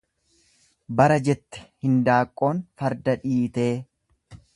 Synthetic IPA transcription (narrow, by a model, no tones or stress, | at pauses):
bɐɾɐd͡ʒɛt̪ːɛ̥hɪnd̪aːkʼːo̞ːnfɐɾd̪ɐᶑiːt̪e̞ː